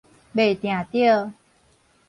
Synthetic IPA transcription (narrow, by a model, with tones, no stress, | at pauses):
be˨˩t̪j̃ã˨˩˨t̪i˥˩ə˨˩